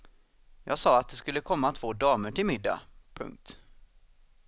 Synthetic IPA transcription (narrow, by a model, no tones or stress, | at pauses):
jɑ̰ːɡsɑːat̪̚d̪ɛskɵlːəkʰɔmːat̪ʰv̥oːd̪ɑːməʈɪlmɪd̪ːa̰pʰɵ̰ŋk̚t̪